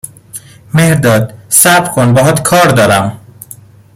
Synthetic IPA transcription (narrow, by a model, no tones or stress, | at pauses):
mehɾd̪ɒːd̪sæbɾkʰonbɒːɦɒːt̪kʰɒːɾd̪ɒːɾæm